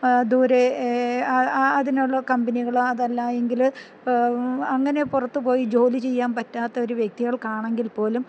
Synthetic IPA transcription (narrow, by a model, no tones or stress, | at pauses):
d̪uːɾeɐɐðinuɭːɐkɐmbɐniɣɐɭɐðɐlːɐe̞ŋɡil | ɐŋːɐne̞purɐt̪ːupo̞ːjid͡ʑo̞ːlit͡ɕe̞jːaːnpɐtːaːt̪ːɐo̞ɾuʋjek̚t̪iɣɐɭkaːɳe̞ŋɡilpo̞ːlum